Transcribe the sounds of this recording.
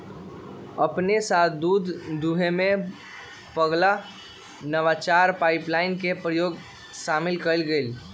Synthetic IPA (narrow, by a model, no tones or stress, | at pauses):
əpnesat̪ʰd̪ud̪ʱd̪uɦeme | pəɡla | nəʋat͡ʃaɾpaɪplaɪnkepɾəjoɡ | samilkəjlɡel